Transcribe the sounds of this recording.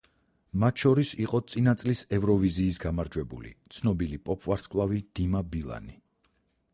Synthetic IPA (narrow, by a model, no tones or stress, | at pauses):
mat̪ʰʃɔɾisiqʼɔt̪sʼinat̪sʼlisɛvɾɔviziːsɡamaɾd͡ʒwɛbṵlḭt̪sʰnɔbilipʼɔpʰʼvaɾskʼlˠavid̪̥imabilˠa̰ni